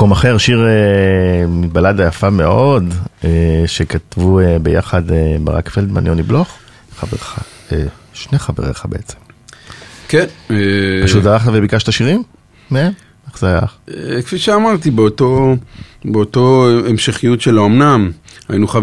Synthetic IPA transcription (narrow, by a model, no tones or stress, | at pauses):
komaχeʁʃiʁe | mit̪̚baladajafame̞ʔo̞deʃekat̪vuebeja̰χadeba̰ʁa̰kfeld̪ma̰njonibloχ | χaveaeʃneχavḛʁeχabḛet͡sem | kenpaʃutzaʁaχt̪avebikaʃt̪aʃiʁim | neem | eχzeaja̰χekfiʃeamaʁt̪ibeot̪o | beotoemʃeχijutʃelaomnamainuχa